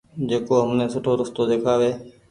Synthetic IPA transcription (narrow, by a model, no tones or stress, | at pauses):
d͡ʒeːkoːɦəmnẽːsʊʈʰoːɾʊst̪oːd̪eːkʰaːʋeː